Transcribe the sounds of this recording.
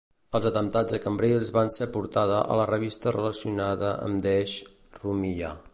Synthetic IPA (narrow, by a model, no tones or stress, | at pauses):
əlˠzət̪əmt̪ad͡zðəkəmbɾelˠzβansɛpuɾt̪aðəʔə̰lərəβ̞ist̪ərələsiunaðəʔə̰md̪ɛʃ | rumiʎa̰